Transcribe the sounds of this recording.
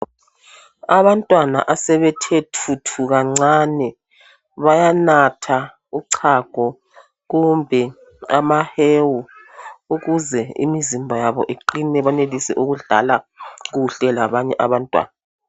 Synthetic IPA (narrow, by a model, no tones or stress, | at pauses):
aβantʼwana̰ʔasɛβɛtʰetʰutʰuɣaŋ͡ǀanɛ | βajanatʰa | uǀʰaɡ̥ʱɔ | ɣumbʱɛ | amahewu | uɣuzɛḭmizimbʱajaβɔ̰ʔeǃinɛβanelisɛʔuɣuɮa̰laɣuɬɛlaβaɲɛʔaβantʼwa̰ːna